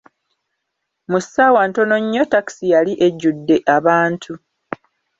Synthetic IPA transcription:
musawanto̞no̞ɲːo̞taki̥sijaliʔe̞ɟːudːe̞ʔaβaːntʰu

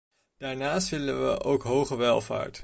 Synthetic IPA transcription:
d̥aːɹnaːstʋɪlənʋə̰ʔowkɦowχəʋɛlˠva̰ːɹt

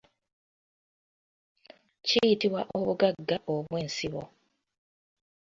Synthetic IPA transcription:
cijitiwaʔoβuɡaɡːaʔoβwe̞ːnsiβo̰

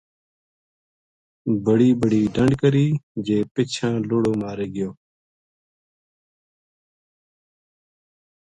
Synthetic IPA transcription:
bəɽiːbəɽiːɖəɳɖkəɾiːd͡ʒeːpɪt͡ʃʰãːloːɽoːmaːɾeːɡɪjoː

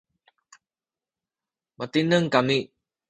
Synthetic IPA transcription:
mət̪inəŋkami

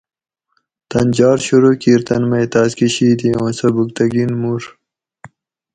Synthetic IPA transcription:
t̪ɐnd͡ʑɑːɾɕuɾuːkiːɾt̪ɐnmɐjt̪aːskiɕiːd̪iõːnsɐbuk̚t̪ɐɡinmuɾ

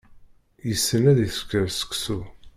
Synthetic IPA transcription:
jəsːənæðiθkːəɾsə̥kːsu

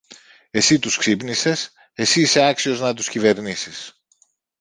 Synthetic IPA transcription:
e̞sit̪usksipnise̞s | esiːseɐksio̞znɐt̪uscive̞ɾnisis

